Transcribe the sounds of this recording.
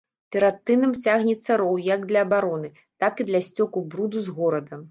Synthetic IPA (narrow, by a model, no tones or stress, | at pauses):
pʲɛɾat̪ːɨnɨmt͡sʲaɣnʲɛt̪sːɐɾɔwjɐɡd̪lʲɐːbaɾɔnɨ | t̪akid̪lʲɐsʲt͡sʲɔkubɾud̪uzɣɔɾɐd̪ɐm